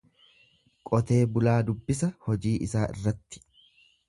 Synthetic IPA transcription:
kʼɔt̪e̞ːbʊlaːd̪ʊbːɪsɐhɔd͡ʒiːʔɪsaːʔɪ̰rːɐt̪ːɪ̥

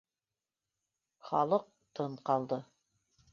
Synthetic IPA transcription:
χɑlˠɤq̚t̪ɤɴqɑlˠd̪ɤ

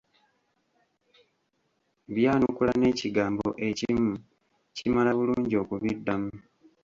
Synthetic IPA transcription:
βjaːnukulane̞ːciɡaːmbo̞̰ʔe̞cimu | cimalaβuluːɲɟio̞kuβidːamu

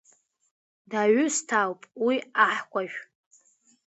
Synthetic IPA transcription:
daɥʷʊstʰawpʼwiaħkʷaʒᶣʷ

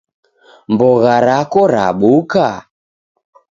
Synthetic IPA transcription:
mbɔɣaɾakɔɾa̰ɓuka

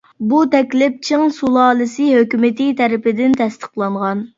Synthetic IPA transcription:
but̪ʰɛkʲlɪp̚t͡ʃʰɨŋsulˠɑːlˠɨsɨɦøkʲymɪt̪ʰit̪ʰɛɾɪpɪd̪ɪnt̪ʰɛst̪ʰə̥qlˠɑɴʁɑn

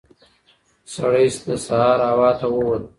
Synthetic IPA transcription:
saɽəjsd̪əsahɑːɾawɑt̪ʰawəwəl

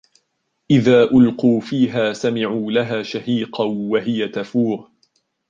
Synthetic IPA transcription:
ʔɪðaːʔʊlquːfiːɦaːsamɪʕuːlaɦaːʃahiːqɑwaɦɪjat̪afuːɾ

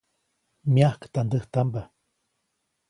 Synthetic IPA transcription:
miahkt̪and̪əht̪amba

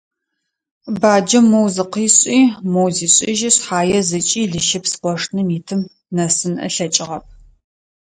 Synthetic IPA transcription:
baːd͡ʒɐmowzɨqiːɕʼiːmowziːɕʼɪʒɪɕħaːjɛzɨt͡ʃʼiːɮɨʃɪpsqʷɔʂnɨmiːtʰɨm | nɐsɨnʔɐ̰ɬɐt͡ʃʼɪʁɐp̚ʰ

